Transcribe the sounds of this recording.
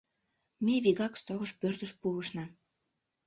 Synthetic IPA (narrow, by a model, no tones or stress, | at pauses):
meβiɣɑkst̪oɣəʃpørt̪əʃpuəʃnɑ